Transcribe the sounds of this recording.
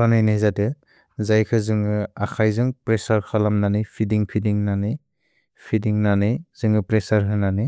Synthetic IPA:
ɾanajnezadɯ | zajkʰɯzɯŋɯakʰajzɯŋpɾesaɾkʰalamnanɯjpʰidiŋpʰidiŋnanɯj | pʰidiŋnanɯjz̥ɯŋɯpɾesaɾɦʰɯnanɯ

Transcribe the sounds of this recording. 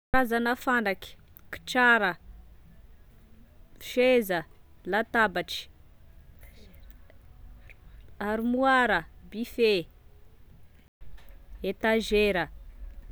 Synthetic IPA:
azanəfanakʲi̥ | ki̥ʈ͡ʂaɾə | ʃezəlat̪abaʈ͡ʂi̥ | aɾimuaɾəbife | et̪aʒeɾə

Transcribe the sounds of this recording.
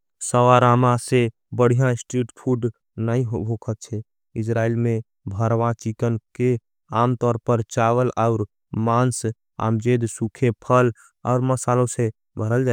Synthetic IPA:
səwaɾamase | bəɽ̤ijãsʈɾiʈpʰuɖ | nəĩɦobʱokʰət̪̚t͡ʃʰɛ | ɪsɾailmẽ | bʱəɾʋãt͡ʃikənke | aːmt̪ɔːɾpəɾt͡ʃawəlaʊɾ | mans | a̰md͡ʒed̪sukʰepʰəl | a̰ʊɾməsalõse | bʱəɾəld͡ʒa

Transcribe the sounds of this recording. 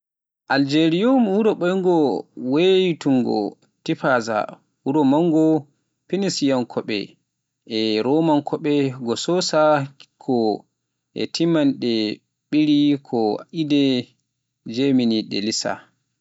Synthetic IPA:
ʔald͡ʒeɾijomhuɾɔɓɔjŋɡɔwejtuŋɡɔ̰ | tifaza̰ | huɾɔmaŋɡɔ | pinisijankʰɔɓɛ̰ | ɛɾɔmankʰɔɓɛɡɔsɔsakʰɔ | ɛ̰tʰimanɗɛ | ɓiɾikʰɔʔidɛ | d͡ʒeminiɗɛ̰lisa̰

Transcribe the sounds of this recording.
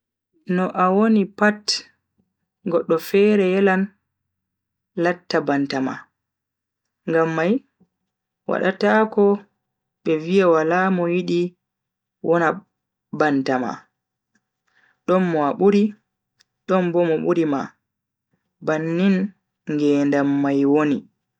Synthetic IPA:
nɔʔawonipat | ɡɔɗːɔfɛɾɛjɛlan | latːabantama̰ | ŋɡamːaj | wa̰ɗatakɔ | ɓɛvijawalamɔjiɗi | wʔɔna | bantama̰ | ɗɔnmɔaɓuɾi | ɗɔnbɔmɔɓuɾima̰ | banːin | ŋɡɛːndamːajwoni

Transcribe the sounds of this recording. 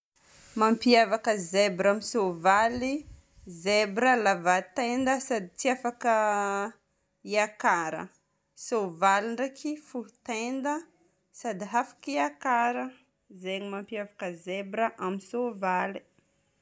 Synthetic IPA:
mampiavakəzebɾamisovali | zebɾəlavat̪end̪əsad̪it͡siafakə | iakaɾə̰ | sovaliɳɖ͡ʐakifuut̪end̪ə | sad̪iɦafḁkiakaɾə | zeɲimampiavakəzebɾəʔamisovali̥

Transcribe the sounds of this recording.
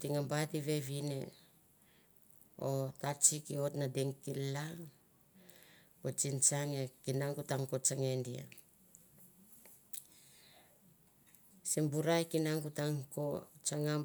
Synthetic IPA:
tiŋambatiβe̞βine | otat͡ʃikiotnadeŋkila | pot͡ʃint͡ʃaŋekinaŋɡutaŋkot͡ʃaŋendia̰ | simbuɾajkinaŋɡutaŋkot͡ʃaŋam

